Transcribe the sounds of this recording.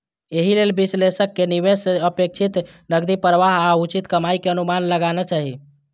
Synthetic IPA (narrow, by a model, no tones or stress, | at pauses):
eɦilelbislesəkːeniʋesəpek̚t͡ʃʰit̪ | nəɡd̪ipɾʋaɦaut͡ʃit̪kəmaikeənumanləɡanat͡ʃaɦi